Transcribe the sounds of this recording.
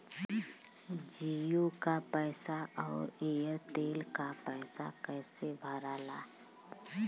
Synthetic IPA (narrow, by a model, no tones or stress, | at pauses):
d͡ʒijokapɛːsaɔːɾejəɾt̪eːlkapɛːsakɛːsebʱəɾaːlaː